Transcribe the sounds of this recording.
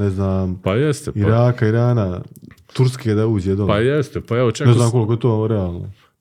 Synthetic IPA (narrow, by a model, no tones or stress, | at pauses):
neznaːmpajɛst̪eiɾaːkaiɾaːnat̪uɾsked̪auːd͡ʑed̪oajɛst̪epaɛʋot͡ʃaneznaːmko̞likojet̪oːɾɛaːlˠno̰